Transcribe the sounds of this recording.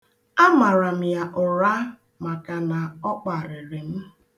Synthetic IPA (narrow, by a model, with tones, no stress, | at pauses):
a˦ma˨ɾa˨m̩˨ja˨ʔʊ˨ɾa˦ | ma˨ka˨na˨ɔ˦k͡pa˨ɾɪ˨ɾɪ˨m̩˦